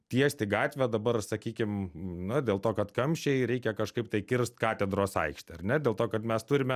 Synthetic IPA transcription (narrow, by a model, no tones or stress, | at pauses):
t̪ʲiɛsʲt̪ʲɪɡɑːt̪ʲʋʲɛd̪ɐbɐrsɐkʲiːkʲɪmnʊd̪ʲeːlˠt̪oːkɐt̪kɐmʲʃʲt͡ʃʲɛɪɾʲɛɪkʲɛkɐʃkɐɪp̚t̪ɐɪkʲɪɾst̪kɑːt̪ʲɛd̪ɾoːsɐ̰ɪkʃʲt̪ʲɪɐrnʲɛd̪ʲeːlˠt̪oːkɐt̪mʲɛst̪ʊɾʲɪmʲɛ